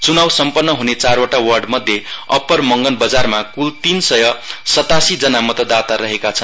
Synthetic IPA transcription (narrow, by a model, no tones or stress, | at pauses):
t͡sunawsʌmpʌnːʌɦunet͡sarwaʈawʌrɖmʌd̪ʱjeʌ̰pːʌrmʌŋɡʌnbʌd͡zarmakult̪insʌjʌsʌt̪asid͡zʌnamʌt̪ʌd̪at̪aɾʌɦekat͡sʰʌn